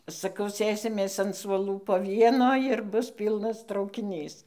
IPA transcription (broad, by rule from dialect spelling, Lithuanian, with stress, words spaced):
sɐˈkɐʊ ˈsʲeːsʲɪmʲeːs ɐn suɔˈlˠuː poː ˈʋʲiɛnoː ɪr ˈbʊs ˈpʲiːlˠnɐs trɐʊkʲɪˈnʲiːs